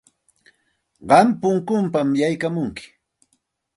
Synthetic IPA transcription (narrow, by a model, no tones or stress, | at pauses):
ɢɑmpʊŋkʊmpamjajkamʊŋkɪ̥